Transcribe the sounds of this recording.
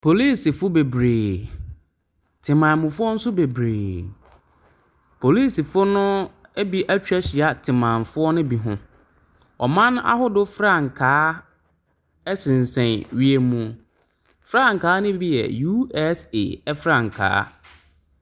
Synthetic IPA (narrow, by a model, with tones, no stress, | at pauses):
pʰo˨li˦˨si˨fʊ˦be˨bɾeː˨ | tʰɪ˨mã˨mʊ̃˨fʊ˦ɔ˦n̩˦sʊ˦be˨bɾeː˨ | pʰo˨li˦si˨fʊ˦nʊ̃˦e˦bi˦ʔæ˦t͡ɕᶣɛ˦ɕɪ˨a˦tʰɪ˨mã˨n˨fʊ˦ɔ˦nʊ̃˦bi˨ɦʊ̰̃˦ | ɔ̰˨mã˦n˦a̰˦hʊ˦dʊ˦fɾa˦˨ŋ̩˨kʰaː˨˦ | ɛ˦sɪ̃˨n˨sɛ̃˨nɥi˨e˨mũ˨ | fɾa˦ŋ̩˨kʰaː˨˦nʊ̃˦bi˦jɛ̰˨ju˦ɛ˦sḛ˨ɛ˦fɾã˦˨ŋ̩˨kʰa̰ː˦